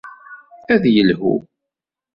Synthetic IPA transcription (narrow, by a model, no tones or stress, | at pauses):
æðjəlɦṵ